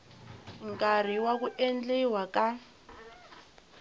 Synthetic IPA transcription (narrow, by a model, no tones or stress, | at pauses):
ŋkʼar̤iwak̬uʔend͡ɮɛwakʼa